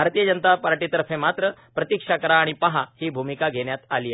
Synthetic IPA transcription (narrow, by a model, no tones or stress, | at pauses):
bʱaɾt̪iːjəd͡ʑənət̪apaɾʈiːt̪əɾəfẽmat̪ɾəpɾət̪ikʂakəɾaːɽ̃ipəɦahiːbʱumikaɡʱeɽjat̪aliːə